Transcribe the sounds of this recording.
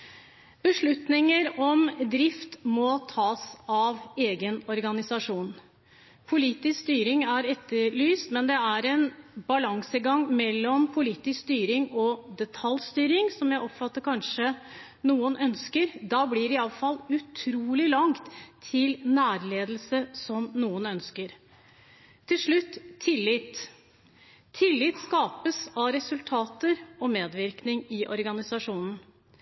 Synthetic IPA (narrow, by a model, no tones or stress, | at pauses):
b̥əʂɭʉt̪nɪŋəɾɔmd̪ɾɪft̪mɔt̪ʰɑːsɑʋeːɡənɔɾɡɑnɪsɑʂuːn | pʰʊliːt̪ɪskst̪yːɾɪŋæɾɛt̪ːəɾɭyːst̪mɛnd̪ɛæɾɛnbɑlɑŋsəɡɑŋmɛlːɔmpʰʊliːt̪ɪskst̪yːɾɪŋɔd̪ɛt̪ʰɑlst̪yːɾɪŋsɔmjæɪʔɔpfɑt̪ːəɾkʰɑnʂə | nuːənʔœnskəɾd̪ɑːbliɾɪɑləfɑlːʉt̪ʰɾuːlɪlɑŋt̪ʰːɪlnæːɾleːd̪əlsəsɔmnuːənœnskəɾ | t̪ʰːɪlʂɭʉt̪ːʰɪlːɪt̪ | ɪlːɪt̪skɑːpəsɑʋɾɛsʉlt̪ʰɑːt̪əɾɔmeːd̪ʋɪɾknɪŋɪʔɔɾɡɑnɪsɑʂuːnən̩